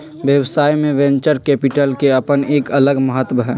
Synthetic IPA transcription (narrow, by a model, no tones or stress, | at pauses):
ʋjəʋsaːimẽʋɛ̃ːɲt͡ʃəɾkɛːpɪʈəlkeɐpəneːkɐləɡmɐɦət̪bɦɛː